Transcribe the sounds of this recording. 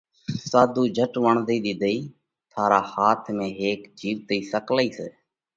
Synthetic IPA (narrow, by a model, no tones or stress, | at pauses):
saːd̪uːd͡ʒʱəʈʋəɳd̪iːɗ̪id̪əiː | t̪ʰaːɾaːhaːt̪ʰmẽːɦeːkd͡ʒiːʋt̪əiːsəkləiːseː